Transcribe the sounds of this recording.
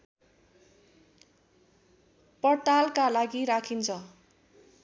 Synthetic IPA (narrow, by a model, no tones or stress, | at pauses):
pʌʈalkalaɡiɾakʰint͡sʰʌ